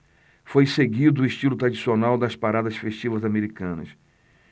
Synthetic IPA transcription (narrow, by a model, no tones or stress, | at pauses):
fojseɡid̪ʊɪʃt͡ʃilʊt̪ɾad͡ʒisionawd̪ɐspaɾad̪ɐsfeʃt͡ʃivɐzameɾikɐ̃nɐ̰s